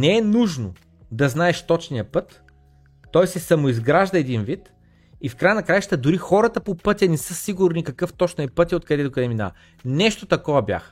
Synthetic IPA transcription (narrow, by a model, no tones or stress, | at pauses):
nɛɛnuʒno̰ | d̪ɐznaɛʃt̪ɔt͡ʃnijəpɤt̪ː | ɔjsɛsɐmoizɡɾaʒd̪ɐɛd̪invit̪ | ifkɾajənɐkɾajʃt̪əd̪ʊɾixɔɾɐt̪əpopɤt̪ʲjɐnɛsɤsiɡʊɾnikɐkɤft̪ɔt͡ʃnɛpɤt̪ʲiot̪̚kɐd̪ɛt̪oʊkɐd̪ɛmina̰ɐ | nɛʃt̪ot̪ɐkɔvɐbja̰x